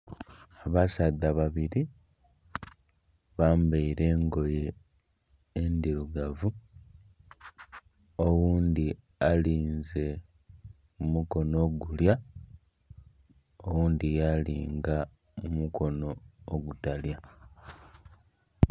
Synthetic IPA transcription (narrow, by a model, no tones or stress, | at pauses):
aβasadaβaβiɾi | βaːmbeiɾe̞ːŋɡo̞je | nd̪iɾuɡavu | owuːnd̪i | aliːnze̞ | mumuko̞no̞ːɡulja | owuːnd̪ijalḭːŋɡa | mumuko̞no̞ːɡutalja